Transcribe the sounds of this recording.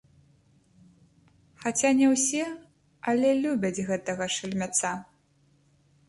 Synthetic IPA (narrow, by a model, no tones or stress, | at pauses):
xat͡sʲanʲɛwsʲɛ | ɐlʲɛlʲubʲɐd͡zʲɣɛt̪ɐɣɐʂɐlʲmʲat̪sa